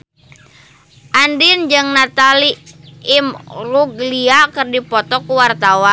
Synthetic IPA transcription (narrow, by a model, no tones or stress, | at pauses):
ʔandind͡ʒɨŋnat̪aliː | mruɡliakɨrdipɔt̪ɔkuwart̪awa